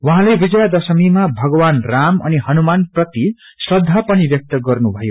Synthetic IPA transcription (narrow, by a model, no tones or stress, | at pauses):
wʌɦãlebid͡zʌjad̪ʌsʌmimabʱʌɡʌwanramʌ̰nihʌnumanprʌt̪i | srʌd̪ʱːapʌnibjʌk̚t̪ʌɡʌrnubʱʌjo